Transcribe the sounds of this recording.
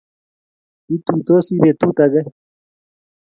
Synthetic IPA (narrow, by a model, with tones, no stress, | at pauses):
i˦t̪u˨t̪o˦si˦βe˨t̪u˦t̪a˨ɣa˦